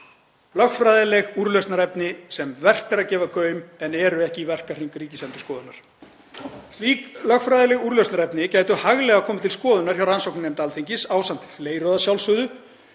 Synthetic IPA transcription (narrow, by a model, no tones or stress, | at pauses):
lœxfɾaːðɪlɛɣuɾlœstnaɾɛpnɪsɛmvɛr̥t̪ɛɾaðcɛːvakʰœːɥmɛnɛɾʏɛhcɪivɛr̥kar̥iŋkʏɾiːcɪsɛnt̪ʏ̥skɔːðʏnaɾ̥ | st̪liːklœxfɾajðɪlɛɣuɾlœstnaɾɛpnɪcaːjt̪ʏhaɣlɛɣakʰɔːmɪt̪ʰɪlskɔːðʏnaɾ̥çawɾransɔwknɪnɛmt̪aːlt̪ʰejɲcɪsaːwsan̥t̪fleːjɾɔðasjawlsʏːðʏ